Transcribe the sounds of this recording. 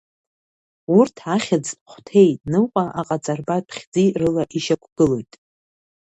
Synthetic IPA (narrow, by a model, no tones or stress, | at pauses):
urtʰaχʲad͡zpχʷtʰe̞jtʼnɨqʷʼaʔaqʼat͡sʼarbapʰχʲd͡zirɨlaʔiʃakʷʰɡ̥ɨlo̞jtʼ